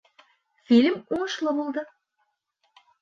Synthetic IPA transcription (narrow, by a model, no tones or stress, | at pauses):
filʲmuɴɤ̆ʃlˠɤbolˠd̪ə